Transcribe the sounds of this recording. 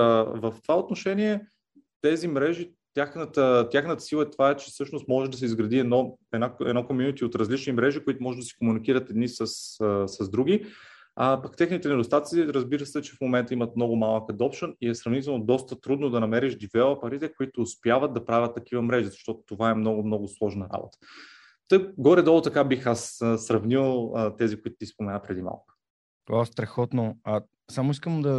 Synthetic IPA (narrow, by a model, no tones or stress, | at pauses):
vəft̪o̥vaot̪noʃɛniɛ | t̪ɛzimɾɛʒi | t̪ʲjaxnət̪ət̪jaxnət̪ə̥silˠəɛt̪ovaɛt͡ʃɛ̥sɤʃnost̪mɔʒɛd̪ɐs̬ɛizɡɾɐd̪iɛnɔɛnaɛ̰nɔkomjunit̪iot̪ɾɐzlit͡ʃnimɾɛʒikʊit̪ʊmɔʒɛʒd̪ɐsi̥komunikiɾət̪ɛd̪nisəssɐzd̪ɾuɡʲi | apɐkt̪ɛxnit̪ɛnɛd̪ost̪at̪siɾɐzbiɾəsɛt͡ʃɛfmomɛnt̪əimət̪̚mnɔɡʊmalˠəkəd̪ɔpʃəniɛsɾɐvnit̪̬ɛlˠnod̪ɔst̪ət̪ɾud̪nod̪ɐnɐmɛɾiʒd̪ivɛləpɐɾit̪ɛkoit̪ʊːspjavət̪̚d̪ɐpɾavʲət̪ːɐk̟ivəmɾɛʒizɐʃt̪ɔt̪ʊ̥t̪ovaɛmnɔɡʊmnɔɡʊslˠɔʒnɐɾa̰bo̰t̪ə̥ | t̪ɤkɡɔɾɛd̪ɔlˠot̪ɐkabixasəsɾɐvnilˠət̪ɛzikoʊit̪ʊ̥t̪ʲispomɛnapɾɛd̪ima̰lˠkə̥ | t̪vast̪ɾɛxɔt̪noa | samoiskəmd̪ɐ